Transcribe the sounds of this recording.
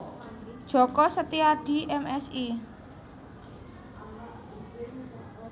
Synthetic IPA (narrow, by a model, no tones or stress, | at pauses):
d̥ʒ̥ɔ̤kɔsət̪iaɖ̥i̤ʔɛmɛsi